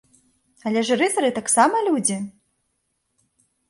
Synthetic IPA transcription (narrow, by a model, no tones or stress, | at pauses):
ɐlʲɛʐɾɨθɐɾɨt̪aksamɐlʲud͡zʲi